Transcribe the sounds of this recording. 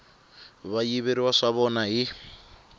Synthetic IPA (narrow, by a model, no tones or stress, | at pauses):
βajiβeɾiwaʂaβɔnaɦi